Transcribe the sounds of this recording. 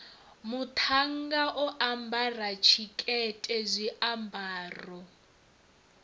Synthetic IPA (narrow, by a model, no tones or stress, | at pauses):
mutʰaŋ̩ɡaʔɔʔambʱarat͡ʃʰikʼɛtʼɛzʷiʔambʱaːrɔ